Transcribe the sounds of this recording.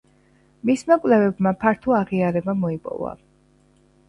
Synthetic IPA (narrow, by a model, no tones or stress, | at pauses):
mismakʼlɛvɛbmapʰaɾt̪ʰuaʁiaɾɛbamɔipʼɔ̰va̰